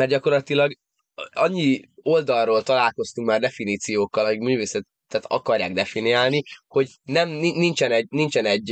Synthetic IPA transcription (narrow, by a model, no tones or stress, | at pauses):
mɛrd̪ɟɒko̞rlɒt̪ilɒɡ | ɒ̰ɲːio̞ld̪ɒrrːoːlt̪ɒlaːlko̞st̪uŋkmaːrd̪ɛfiniːt̪sijoːkːɒlɒikmyːveːsɛt̪t̪ːɛːt̪ɒ̰kɒrja̰ːɡd̪ɛfiniaːlniho̞ɟ | nɛmninint͡ʃɛnɛɟnint͡ʃɛnɛɟː